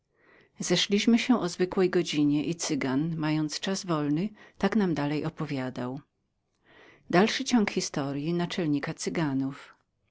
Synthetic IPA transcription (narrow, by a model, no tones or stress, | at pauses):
zɛʂlʲiɕmɘɕɛʔɔzvɘkwɛjɡɔd͡ʑiɲɛʔit̪sɘɡanmajɔnt̪st͡ʂazvɔlnɘt̪aknamd̪alɛjʔɔpɔvʲjad̪aw | d̪alʂɘt͡ɕɔŋkxʲist̪ɔɾjinat͡ʂɛlɲikat̪sɘɡanuf